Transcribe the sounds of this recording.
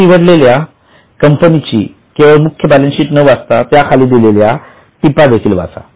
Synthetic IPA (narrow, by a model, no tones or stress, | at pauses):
iʋəɽlelja | kəmpənit͡ɕḭː | keʋəɭmukʰjəbælənɕiːʈnəʋast̪at̪jakʰaliːd̪ilelja | t̪ipad̪et̪ʰiːlʋa̰t͡sa̰